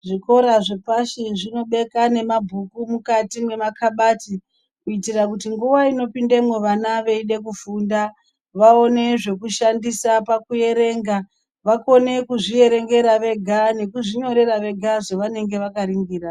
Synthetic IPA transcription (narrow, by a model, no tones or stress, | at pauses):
ʐiko̞ɾaʐepaʃiʐino̞ɓe̞kane̞mabʱukumukatime̞makʰaɓati | kuitirakutiŋɡuʋaino̞pindemwe̞ʋanaʋe̞iɗe̞kufuːnda | ʋaone̞ʐe̞kuʃandisapakuje̞ɾe̞ːŋɡa | ʋako̞ne̞kuʐije̞ɾe̞ŋɡe̞ɾaʋe̞ɡʱane̞kuʐiɲo̞ɾe̞ɾaʋe̞ɡʱaʐeʋane̞ŋɡe̞ʋakaɾiŋɡiːɾa